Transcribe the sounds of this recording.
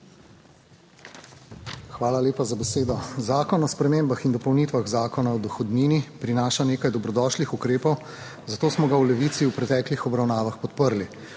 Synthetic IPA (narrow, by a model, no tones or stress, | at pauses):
xʋaːlaleːpazabɛseːd̪ɔzaːkɔnɔspɾɛmeːmbaxind̪ɔpɔwnit̪ʋaɣzaːkɔnaɔd̪ɔxɔd̪niːnipɾinaːʃaneːkajd̪ɔbɾɔd̪ɔʃlixukɾeːpɔw | zat̪oːsmɔɡawlɛʋiːt̪siwpɾɛt̪ɛːklixɔbɾawnaːʋaxpɔt̪pəɾli